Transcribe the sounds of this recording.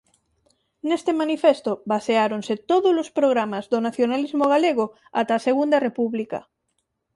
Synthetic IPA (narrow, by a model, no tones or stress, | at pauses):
nest̪emanifest̪obaseaɾonset̪oðolospɾoɣɾamazðonaθjonalizmoɣaleɣ̞o | at̪aseɣund̪ɐrepuβlika̰